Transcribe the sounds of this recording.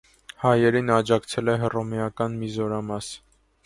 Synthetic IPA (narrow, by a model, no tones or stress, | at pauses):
hɑjɛɾinɑd͡ʒɑkt͡sʰɛlɛɦərɔmiɑkɑnmizɔɾɑmɑs